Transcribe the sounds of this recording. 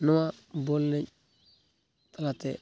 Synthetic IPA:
nuwabolːe | talatḛ

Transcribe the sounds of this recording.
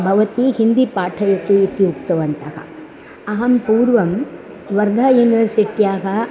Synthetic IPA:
bʱɐʋɐt̪ihind̪ipaːʈʰɐjɐt̪uit̪ijuk̚t̪ɐʋɐnt̪ɐɦɐ̰ | ɐɦɐmpuːɾʋɐm | ʋɐɾd̪ʱɐjuːniʋɐɾsiʈjaːɦɐ

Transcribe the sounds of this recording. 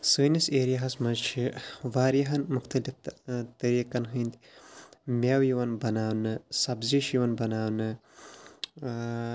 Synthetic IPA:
suniseːɾijaɦɐsmɐzt͡ʃʰiʋaːɾjɐɦɐnmuxt̪ɐlift̪ɐɾiːkɐnɦɨnd̪i | mewjiwɐnbɐnaːwnɨsɐbziʃiwɐnbɐnaːwnɨ

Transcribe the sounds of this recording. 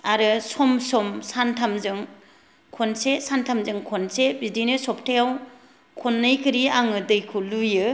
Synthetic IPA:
aɾɯsɔmsɔmsantʰamzɯŋ | kʰɔnsesantʰamzɯŋkʰɔnsebidinɯsɔp̚tʰajaw | kʰɔnːɯjkʰɯɾiaŋɯdɯjkʰulujɯ

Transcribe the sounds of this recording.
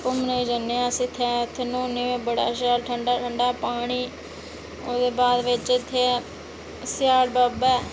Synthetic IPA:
kʊmneid͡ʒənːeãsɪt̪ʰːɛːʊt̪ʰːeːnõːneːʋeːbəɽaːʃ̬aːlʈʰəɳɖaːʈʰəɳɖaːpaːɽ̃iː | oːd̪eːbaːd̪ʋɪt͡ʃɪt̪ʰːeː | sjaːlbaːbɛː

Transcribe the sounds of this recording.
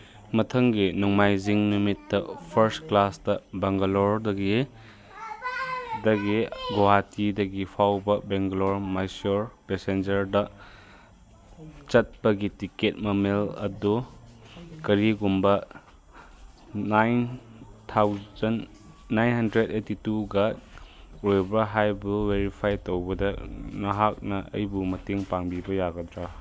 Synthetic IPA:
mɐtʰɐŋɡinɔŋmajziŋnumitːɐpʰɐɾstklastɐbɐŋɡalɔɾdɐɡi | dɐɡiɡoɦatidɐɡipʰawbɐbeŋɡɐloɾmajsoɾpesend͡ʒɐɾdɐ | t͡ʃɐt̚pɐɡitiket̚mɐmelɐ̰du | kɐɾiɡumbɐ | ajntʰawzɐnː | ajnɦɐndɾedetituɡa | ɾojbɾɐɦajbuweɾipʰajtowbɐdɐnɐɦak̚nɐɐ̰jbumɐteŋpaŋbibɐjaɡɐdɾa

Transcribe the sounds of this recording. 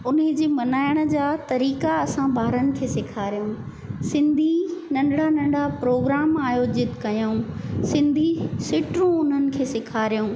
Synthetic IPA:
ʊnɦɪd͡ʑeːmɐnaːjəɽ̃ə̆d͡ʑaːt̪ɐɾiːkaɐsãbʱaːɾənɪ̆kʰeːsɪkʰaːɾijũː | sɪ̃nd̪ʱinɐ̃ɳɖɽ̤anɐ̃ɳɖɽ̤apɾoːɡɾaːmaːjoːd͡ʑɪt̪kɐjoũsɪ̃nd̪ʱisɪʈɾũʊn̤ənɪ̆kʰeːsɪkʰaːɾijũː

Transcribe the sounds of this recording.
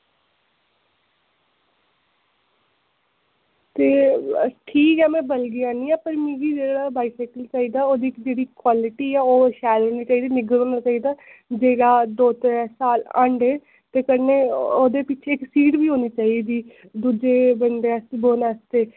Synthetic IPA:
t̪eːʈʰiːkɛːmɛ̃ːbəlɡɪjãːnĩːɛːpəɾmĩːɡiːd͡ʒeːɽaːbaːisɛːkəlt͡ʃaːiːd̪aːoːd̪iːkd͡ʒeːɽiːkwaːlɪʈiːɛːoːʃɛːlɦoːniːt͡ʃaːiːd̪iːnɪɡəlɦoːnaːt͡ʃaːiːd̪aː | d͡ʒeːɽaːd̪oːt̪ɾɛːsaːlə̰̃ːɳɖeː | t̪eːkəneːoːd̪eːpɪt͡ʃʰeːksiːʈbiːɦoːniːt͡ʃaːiːd̪iː | d̪uːd͡ʒeːbənd̪eːəst̪eboːnaːst̪eː

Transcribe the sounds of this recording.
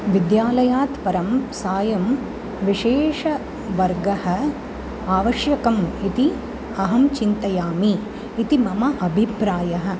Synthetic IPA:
ʋid̪jaːlɐjaːt̪pɐɾɐmsaːjɐm | ʋiʂeːʂɐ | ʋɐɾɡɐhɐ̆ | aːʋɐʃjɐkɐmit̪i | ɐɦɐmt͡ʃint̪ɐjaːmiː | t̪imɐmɐʔɐbʱipɾaːjɐɦɐ̆

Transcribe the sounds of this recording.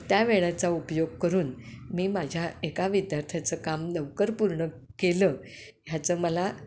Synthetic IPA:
t̪jaʋeɭat͡saupjoɡ̚kəɾuːnmiːmad͡ʑʱjaekaʋid̪jaɾt̪ʰjat͡səkamnəʋkəɾpuɾɳə | keləː | ɦjat͡səːməla

